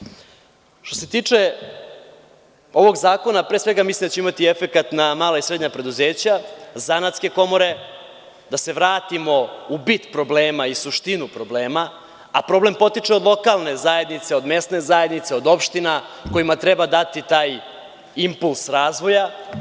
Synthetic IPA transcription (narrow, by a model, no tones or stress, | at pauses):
ʃt̪o̞se̞t̪iːt͡ʂe̞ | o̞ʋo̞ɡzaːko̞napɾeːsʋe̞ɡamislimd̪at͡ɕeimat̪iefe̞kat̪namaːlaisɾe̞d̪ɲapɾed̪uzeːt͡ɕazanat̪ske̞ko̞mo̞ɾe̞ | d̪ase̞ʋɾaːt̪imo̞ubit̪pɾo̞bleːmaisuʃt̪inupɾobleːma | apɾo̞blempo̞t̪it͡ʂeo̞d̪lˠo̞kalˠne̞zaje̞d̪nit̪se̞o̞d̪me̞st̪ne̞zajed̪nit̪se̞o̞d̪o̞pʃt̪inako̞jimat̪ɾebad̪at̪it̪aːj | impulˠsɾaːzʋo̞ja